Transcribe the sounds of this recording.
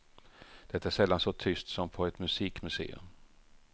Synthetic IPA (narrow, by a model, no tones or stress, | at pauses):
d̪̥ɛt̪ːaæʂɛlːansɔt̪ʰʏst̪sɔmpʰɔɛt̪mɵsiːkmɵsḛːɵ̰m